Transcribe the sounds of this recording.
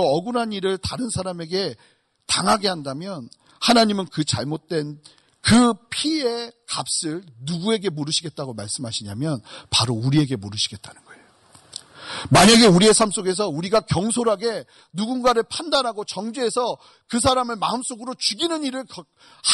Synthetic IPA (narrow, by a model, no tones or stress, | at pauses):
ʌɡɯnɦaniɾɯɭtaɾɯnsʰaɾame̞ɡe̞ | taŋɦaɡe̞handamjʌn | hanaɲimɯnkɯt͡ɕaɭmot̚t͈we̞n | kɯpʰie̞kap̚s͈ɯɭnuɡue̞ɡe̞moɾɯɕʰiɡe̞t̚t͈aɡomaɭs͈ɯmɦaɕʰiɲamjʌnpaɾouɾie̞ɡe̞moɾɯɕʰiɡe̞t̚t͈anɯnɡ̥ʌe̞jo | maɲaɡe̞uɾie̞sʰams͈oɡe̞s̬ʰʌuɾiɡakjʌŋsʰoɾɦaɡe̞ | nuɡunɡaɾɯɭpʰandanɦaɡot͡ɕʌŋd͡ʑuɦe̞sʰʌ | kɯs̬ʰaɾamɯɭmaɯms͈oɡɯɾot͡ɕuɡinɯniɾɯɭ | h